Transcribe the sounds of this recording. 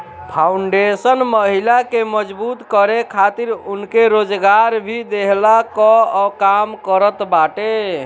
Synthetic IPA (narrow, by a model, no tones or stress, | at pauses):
pʰauɳɖesənməɦilakeməd͡ʒbut̪kəɾekʰat̪iɾunkeɾod͡ʒɡaɾbʱid̪eɦlakɔkamkəɾət̪baʈe